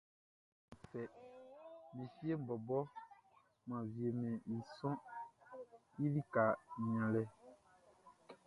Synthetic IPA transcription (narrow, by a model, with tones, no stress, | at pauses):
fɛ˨ | mẽ˨fi˦e˦m̩˨bɔ˨bɔ˦ | mã˨vi˨e˨mɛ̃˨i˨sɔ̃˦ | i˦li˦ka˨ɲ̃˨ã˨lɛ˦